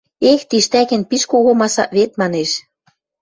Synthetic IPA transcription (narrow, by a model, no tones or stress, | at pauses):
ext̪iʃt̪ækɘ̆npiʃkoɣŏmɑsɑ̰βet̪̚mɑneʃ